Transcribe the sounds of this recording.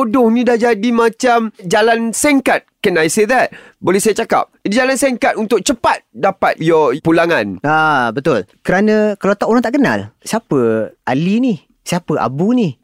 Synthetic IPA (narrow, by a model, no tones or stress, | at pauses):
odʊhnĩdahd͡ʒadimãt͡ʃamd͡ʒalansɛŋkat̪̚kənajseðɛt̪̚ | bolɛhsajat͡ʃaka̰p̚idid͡ʒalansɛŋkat̪̚unt̪ʊk̚t͡ʃəpat̪̚dapa̰t̪̚jɔpulaŋanabət̪ʊlkəɾanə̃kalawt̪aʔoɾaŋt̪aʔkəna̰lsiapəʔalini | siapəʔa̰buni